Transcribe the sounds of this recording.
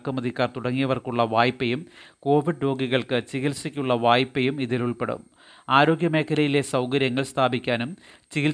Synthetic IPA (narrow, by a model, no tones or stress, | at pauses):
kːɐmɐðikːaːrt̪uɽɐŋːijɐʋɐrkuɭːɐʋaːjpːejumko̞ːʋiɖɾo̞ːɡiɣɐɭkɨt͡ɕiɣilsikʲːuɭːɐʋaːjpːejumiðiluɭpe̞ɽṵm | aːɾo̞ːɡʲjɐme̞ːkʰːɐɾɐjile̞sɐwkɐɾjɐŋːɐɭst̪ʰaːbikʲːaːnum | t͡ɕiɣil